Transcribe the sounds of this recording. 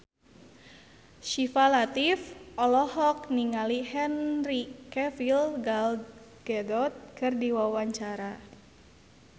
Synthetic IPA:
ʃifalat̪ifʔɔlɔhɔk̚niŋalihɛnrikɛfilɡal | ɡ̥ɛdɔt̪̚kɨrdiwawaɲt͡ʃaɾa

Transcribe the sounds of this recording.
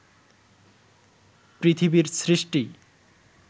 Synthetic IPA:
pɾit̪ʰibiɾsɾisʈi

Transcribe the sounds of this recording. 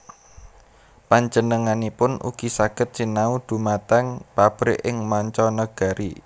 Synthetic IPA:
paɲd͡ʒənəŋanipʊnʔṵɡ̥i̤saɡ̥ə̤t̪̚sinaud̪̥ṳmat̪aŋpab̥ɾɪ̰ʔɪŋmaɲt͡ʃɔnəɡ̥a̤ɾʔi

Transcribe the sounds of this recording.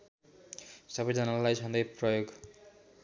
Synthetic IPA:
sʌbʌjd͡zʌnalajsʌnd̪ʌjprʌjoɡ

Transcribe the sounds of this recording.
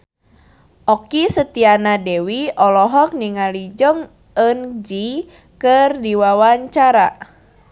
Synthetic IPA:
ʔɔkisət̪ianadewiɔlɔɦɔk̚niŋalid͡ʒɔŋ | ənd͡ʒi | kərdiwawaɲt͡ʃaɾa

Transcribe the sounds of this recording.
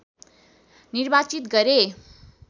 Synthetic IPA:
nirbat͡sit̪ɡʌɾe

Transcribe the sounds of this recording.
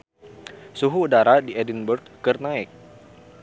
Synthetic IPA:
suɦuːdaɾadiɛdinbərd̪̚kɨrnaɪk̚

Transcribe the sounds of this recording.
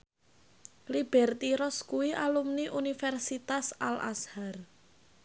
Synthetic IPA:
lib̥ɛrt̪iɾɔskuwiʔalumniʔunifɛrsit̪asala̰shar

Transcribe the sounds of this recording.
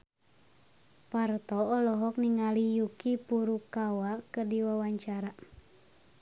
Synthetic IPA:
part̪ɔɔlɔɦɔk̚niŋalijukipuɾukawakədiwawaɲt͡ʃaɾa

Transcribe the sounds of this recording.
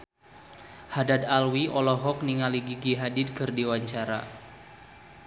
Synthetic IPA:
hadadalwiʔɔlɔɦɔk̚niŋaliɡiɡiɦadid̚kɨrdiwaɲt͡ʃaɾa̰

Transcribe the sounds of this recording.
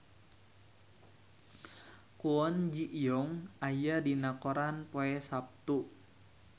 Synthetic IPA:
kuɔnd͡ʒiʔijɔŋajadinakɔɾanpoɛsap̚t̪u

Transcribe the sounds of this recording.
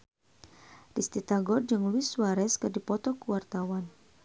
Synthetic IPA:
rist̪it̪aɡɔd͡ʒɨŋluiswaɾɛskədipɔt̪ɔkuwart̪awan

